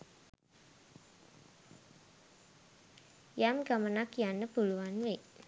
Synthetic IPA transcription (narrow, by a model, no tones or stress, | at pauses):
jamɡamənakjanəb̥uluanweʔ